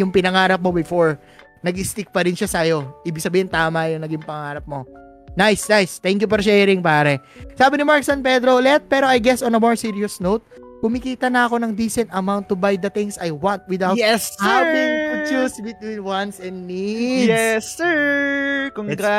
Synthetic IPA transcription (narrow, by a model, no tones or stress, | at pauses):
jʊŋpɪnɐŋaːɾɐp̚mobɪfoɹ | nɐɡʔɪst̪ɪk̚pɐɾɪnʃasɐjo̞ʔiːbɪɡ̚sɐbiːhɪnt̪aːmɐjʊŋnɐɡɪŋpɐŋaːɾɐp̚mo̞ | najsnajst̪ɛŋkjʊfɔɾʃɛːɾɪŋpaːɾɛ | saːbɪnɪmaɹksɐnpɛd̪ɾolɛt̪̚pɛːɾoajɡɛsɔnɐmoɹsiɹiosnowt̪̚ | kʊmɪkiːt̪ɐnɐɐko̞nɐŋd̪isɛnt̪ɐmawnt̪ːʊbajd̪ɐt̪ɪ̃ŋsajwãnt̪̚wɪd̪awɛshavɪŋpt͡ʃusbɪt̪winwɐnsɛ̃nnidɛsə | koŋɡa